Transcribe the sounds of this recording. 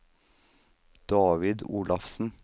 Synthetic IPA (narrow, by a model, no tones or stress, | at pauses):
d̪̥ɑːʋɪd̪uːlɑfsn̩